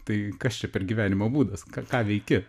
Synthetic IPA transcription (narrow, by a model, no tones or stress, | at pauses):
t̪ɐɪkɐst͡ʃʲɛpʲɛrɡʲiːʋʲæːnʲɪmoːbuːd̪ɐskɑkɑːʋʲɛɪkʲɪ